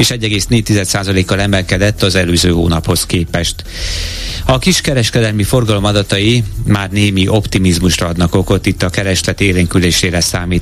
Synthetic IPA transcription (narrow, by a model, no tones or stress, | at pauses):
eːʃɛɟːɛɡeːsneːɟ̚t̪izɛt̪saːzɒleːkːɒlɛmɛlkɛd̪ɛt̪ːɒzɛløːzø̰ːɦo̰ːnɒpho̞skeːpɛʃt̪ | ɒkiʃkɛɾɛʃkɛd̪ɛlmifo̞rɡɒlo̞mɒd̪ɒt̪ɒjimaːrneːmiʔo̞pt̪imizmuʃrɒɒd̪nɒko̞ko̞t̪ːit̪ːɒkɛɾɛʃlɛt̪eːleːŋkyleːʃeːɾɛsaːmiːt̪